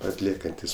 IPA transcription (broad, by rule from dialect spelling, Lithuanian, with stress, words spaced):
ɐtʲˈlʲiɛkɐnʲtʲɪs